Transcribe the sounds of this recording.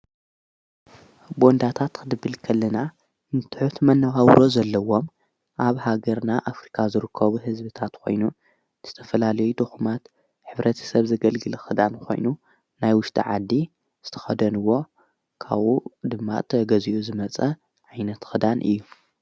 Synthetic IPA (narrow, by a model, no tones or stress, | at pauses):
bo̞nd̪at̪ʰat̪kʰɨd̪ɨbːɨlkʰɐlːɐna | nɨt̪ʰɨħut̪mɐnːɐɣawɾo̞zɐlːɐwo̞m | ʔaβhaɡɐɾnaʔafɾikʰazɨɾɨkʰːɐβuɦɨzbɨt̪ʰat̪kʰo̞̰jnu | z̥ɨt̪ʰɐfɐlalɐjud̪ɨxumat̪ | ħɨβɾʔɐt̪ʰɐ̥sɐβzɐɡɐlɡɨlɐxɨd̪ankʰo̞̰jnu | najwʊʃt̪ʼʰḭʕad̪ːi | z̥ɨt̪ʰɐ̥xɐd̪ɐnɨwo̞ | kʰa̰βud̪ɨmːa̰t̪ʰɐɡɐziʔuzɨmɐt͡sʼɐ | ʕajnɐt̪xɨd̪anʔɨ̰jːu